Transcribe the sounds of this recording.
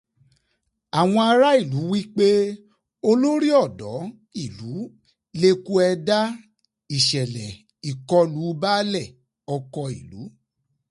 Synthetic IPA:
a˨w̃ɔ̃˧a˧ɾa˦i˦˨lu˨˦wi˦k͡pe˦ | o˧lo˦ɾi˦ɔ˦˨dɔ̰˨˦ | i˦˨lu˨˦ | le˧ku˦ɛ˧da˦ | i˨ʃɛ˨lɛ˨ | i˨kɔ˧lu˨˦ba˦lɛ˦˨ | ɔ˧kɔ˧ḭ˨lṵ˨˦

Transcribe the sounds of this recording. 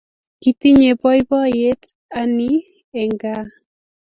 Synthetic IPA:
ki˨t̪i˦ɲe˨bɔ˦jbɔ˦je˦t | a˦ni˦ | ɛ˨ŋɡa˦

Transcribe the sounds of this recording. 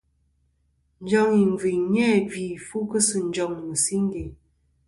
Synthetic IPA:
n̩˦d͡ʒɔ˦ŋi˨m˨vi˨ɲɛ˦˨vi˨fu˦kə˦sɨ˨n̩˨˦d͡ʒɔ˨ŋmə˨si˦ŋ˦ɡe˨

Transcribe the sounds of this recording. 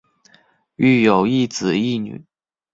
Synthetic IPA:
y˥˩jo˨˩ʊi˥˩t͡sɹ̩˨˩i˥˩ny̰˨˩˦

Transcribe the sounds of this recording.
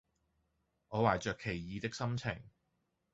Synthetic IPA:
ŋɔː˨˧waː˨˩jt͡ʃœː˨kʰːe˨˩jjiː˨˧t̪ɪ˥k̚sɐ˥mt͡sʰɪ˨˩ŋ

